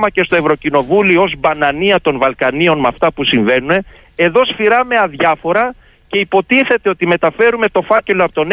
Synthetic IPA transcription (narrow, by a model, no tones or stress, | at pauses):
mɐce̞st̪o̞e̞vɾo̞cino̞vulioozbɐnɐniɐt̪o̞nvɐlkɐnio̞nmɐft̪ɐpusiɱve̞nune̞ | e̞ðo̞sfiɾɐme̞ɐðʝɐfo̞ɾɐ | ce̞ipo̞t̪iθe̞t̪e̞o̞t̪ime̞t̪ɐfe̞ɾume̞t̪o̞fɐce̞loɐpot̪on